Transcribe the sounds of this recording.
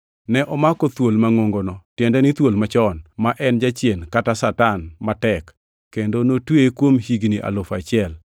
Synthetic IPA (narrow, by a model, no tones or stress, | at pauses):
nɛʔɔmakɔt̪wolmaŋoŋɡonɔtjɛndɛnɪt̪wolmat͡ʃɔnmaʔɛnd͡ʒat͡ʃjenkatasatanmatɛkː | endonotwekwomhiɡniʔa̰lofat͡ʃɪɛl